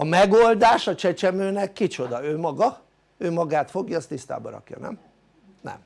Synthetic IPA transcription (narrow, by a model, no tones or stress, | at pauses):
ɒmɛɡoːld̪aːʃɒt͡ʃɛt͡ʃɛmøːnɛkːit͡ʃo̞d̪ɒøːmɒɡɒ | øːmɒɡaːt̪fo̞ɡjɒːst̪ist̪a̰ːbɒ̰ɾɒ̰kjɒ̰nɛ̰m | nɛ̰m